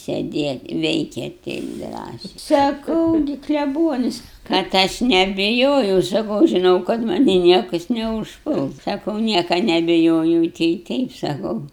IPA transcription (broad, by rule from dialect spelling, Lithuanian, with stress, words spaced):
sʲɛdʲeːtʲ ˈʋʲɛɪkʲeːt ˈtʲɛɪp ˈdrɑːsʲɛɪ sɐˈkɐʊ ɡʲɪ klʲɛˈbuɔnʲɪs kɐt ˈɐʃ nʲɛbʲɪˈjoːjɛʊ sɐˈkɐʊ ʒʲɪˈnɐʊ kɐt ˈmɑːnʲiː ˈnʲiɛkɐs nʲɛʊʃˈpʊlˠs ˈsɑːkɐʊ ˈnʲiɛkɐ nʲɛbʲɪˈjoːjɛʊ tɐɪ ˈtʲɛɪp sɐˈkɐʊ